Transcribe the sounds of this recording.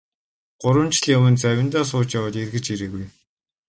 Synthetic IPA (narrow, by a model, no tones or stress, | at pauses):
ɢ̥ʊɾwə̆nt͡ɕɮjawɘ̆nt͡sæwʲɪ̆nt̪aːs̬ʊːt͡ɕjawaːt̪erɣɘ̆t͡ɕiɾeːɣuj